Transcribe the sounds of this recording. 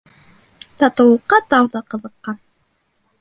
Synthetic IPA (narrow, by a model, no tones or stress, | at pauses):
t̪ɑt̪ɤ̆wɤqːɑt̪ɑwðɑqɤ̆ðɤ̆qːɑ